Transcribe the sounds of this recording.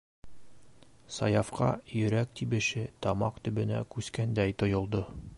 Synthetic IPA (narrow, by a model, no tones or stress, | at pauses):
sɑjɑfqɑ̰jɵ̆ɾæk̚t̪ibɘ̆ʃɘt̪ɑmɑqt̪ɵ̆bɵ̆næ̰kʉskænd̪æjt̪ŏjŏlˠd̪o